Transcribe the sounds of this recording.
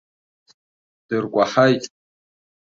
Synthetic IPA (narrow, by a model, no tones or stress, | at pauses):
d̥ɨrkʷʼaħajtʼ